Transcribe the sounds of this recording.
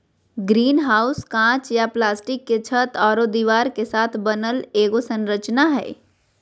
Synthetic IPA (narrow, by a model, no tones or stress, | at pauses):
ɡɾiːnɦaːʊskãːt͡ʃjaplaːsʈɪkːet͡ʃʰət̪ɔːɾod̪iʋaːɾkesaːt̪ʰbənəleːɡosə̃nɾət͡ʃnaɦɛ̰ː